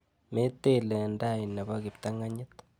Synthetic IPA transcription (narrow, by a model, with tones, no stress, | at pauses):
me˦t̪e˦lɛ˨nda˦˨i˨na˨ba˦kɪ˨pt̪a˦ŋa˦ɲɪ˦t̪